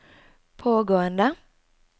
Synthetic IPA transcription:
pʰoːɡoːənd̪ə

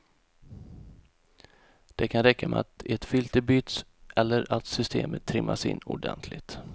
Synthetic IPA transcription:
d̪̥ɛkʰanɾɛkːamɛat̪ɛt̪fʏlt̪əbyːt̪sʔɛlːəɾat̪sʏst̪ḛːmət̪ʰːɾɪmːasɪ̰nːʊ̰ɖɛ̰nt̪ʰlɪɡt̪

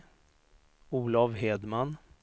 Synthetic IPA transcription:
uːlavɦeːd̪man

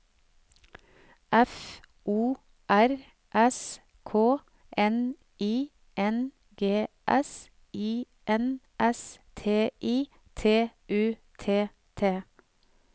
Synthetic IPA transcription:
ʔɛf | ʔuː | ʔæɾ | ʔɛs | kʰoː | ʔɛn | iː | ʔɛn | ɡeːʔɛs | iː | ʔɛn | ʔɛst̪ʰeːʔiː | t̪ʰeːʔʉːt̪ʰeː | t̪ʰeː

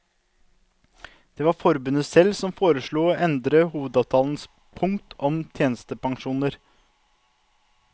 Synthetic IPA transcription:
d̪̥eːʋɑːɾfɔɾbʉnəsɛlsɔmfoːɾəʃɭuːoːʔɛnd̪ɾəhuːʋəd̪ɑːʋt̪ʰɑːln̩s | pʰʊŋt̪ʰɔmt̪ʰjeːnəst̪əpʰɑŋʃuːnəɾ

